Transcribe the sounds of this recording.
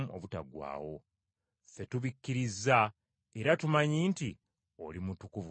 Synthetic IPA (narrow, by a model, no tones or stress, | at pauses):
o̰βuta̰ɡwa̰ːwo̞ | fe̞tuβikːiɾizːa | e̞ɾatumaɲiːnti | o̞limutukuvu